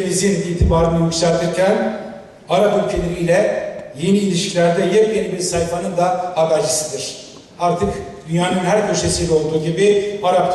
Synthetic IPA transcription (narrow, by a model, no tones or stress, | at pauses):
izjenid̪ilt̪ʰibaːɾɯnɯjycsæɾt̪ʰiɾcʰæn | aɾapylʲcʰe̞lʲeɾijlʲɛje̞niːlʲiʃcʰilʲæɾd̪ɛjɛpjenibiɾsajfanɯnd̪aab̪aɾt͡ʃʰi̥sɯd̪ɯɾ̥ | aɾt̪ʰɯkd̪̥ynjaːnɯnhæɾcʰøʃesijlʲɛo̞lˠd̪uːɟibiaɾap̚